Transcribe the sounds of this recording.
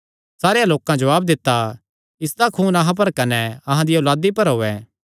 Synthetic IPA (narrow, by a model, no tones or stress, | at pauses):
saːɾejãloːkãd͡ʒoaːb̚d̪ɪt̪ːa | ɪsd̪akʰuːnɐɦãp̬ɐɾkɐnɛɐɦãd̪ijʊlaːd̪ipɐɾɦoːɛː